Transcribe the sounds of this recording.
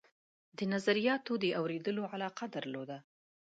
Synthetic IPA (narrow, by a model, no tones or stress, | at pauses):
d̪ənazaɾijɑt̪od̪əʔawɾed̪əloʕalɑqad̪aɾlod̪a